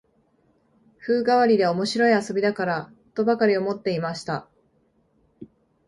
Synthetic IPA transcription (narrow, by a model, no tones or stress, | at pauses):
ɸɯ̟ːɡaβaɾʲid̪e̞o̞mo̞ɕiɾo̞iaso̞bʲid̪akaɾa | t̪o̞bakaɾʲio̞mo̞t̪ːe̞imaɕi̥t̪a